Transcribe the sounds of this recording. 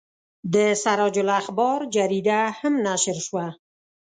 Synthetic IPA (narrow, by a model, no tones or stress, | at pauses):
d̪əsaɾɑd͡ʒʊlaxbɑɾd͡ʒaɾid̪ahamnaʃəɾʃwa